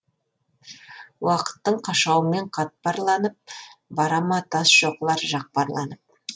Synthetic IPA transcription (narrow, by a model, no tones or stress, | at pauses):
wɑqə̥t̪ːəɴqʰɑʃɑwəme̞ɴqʰɑt̪̚pɑɾlˠɑnəp̚bɑɾɑmɑt̪ʰɑsʒ̥o̞qlˠɑɾʒɑq̚pɑɾlˠɑ̰nəp̚